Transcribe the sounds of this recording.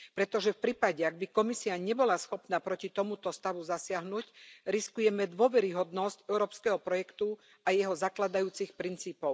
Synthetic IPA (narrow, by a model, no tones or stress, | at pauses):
pɾɛt̪ɔʒɛfpɾiːpaɟɛaɡ̚bikɔmisiaɲɛbɔlasxɔpnaːpɾɔcit̪ɔmut̪ɔst̪aʋuzasɪaɦnucɾiskujɛmɛd̪ʊɔʋɛɾiɦɔd̪nɔscɛʊɾɔːpskɛɦɔpɾɔjɛkt̪u | ajɛɦɔzaklad̪ajuːt͡sixpɾint͡siːpɔʊ